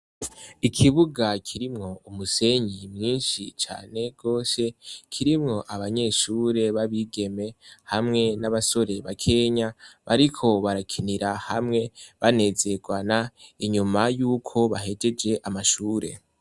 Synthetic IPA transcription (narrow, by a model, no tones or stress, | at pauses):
ikʰiβuɡakʰiɾimŋo̞umuse̞ɲimŋiːnʃit͡ʃa̰ːne̞ɡ̥o̞ːse̞kʰiɾimŋo̞ʔaβaɲe̞ʃuːɾe̞βaβiːɡe̞me̞hamŋe̞naβaso̞ɾe̞βakʰe̞ɲaβaɾikʰo̞βaɾakʰiniɾahamŋe̞βane̞ze̞ɡwanaiɲumajuːkʰo̞βaɦe̞d͡ʒe̞d͡ʒe̞ʔamaʃuːɾe̞̰